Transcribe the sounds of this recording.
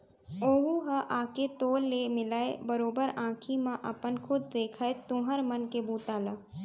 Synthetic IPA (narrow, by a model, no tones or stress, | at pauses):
oːɦuɦəʔaːket̪oːlːemɪlaːḛbəɾoːbəɾãːkʰimãʔɐ̰pənkʰʊd̪̚d̪eːkʰaːet̪ʊ̃ɦəɾmənkebuːt̪aːlaː